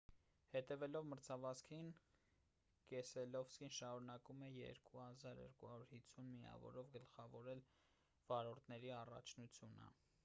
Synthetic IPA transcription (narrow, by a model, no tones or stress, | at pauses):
hɛt̪ɛvɛlɔvməɾt͡sʰɑvɑskʰin | kɛsɛlɔvskinʃɑɾunɑkumɛjɛ̰ɾkuhɑzɑɾjɛ̰ɾkuhɑɾuɾhist͡sʰːunmiɑ̰vɔ̰ɾɔvɡəlχɑvɔɾɛl | v̥ɑɾɔɾt̪ʰnɛɾiɑrɑ̰t͡ʃʰnut͡sʰjunə̰